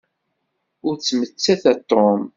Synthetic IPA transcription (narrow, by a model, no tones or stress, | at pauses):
ʊɾt͡sːmət͡sːæθæt̪ːom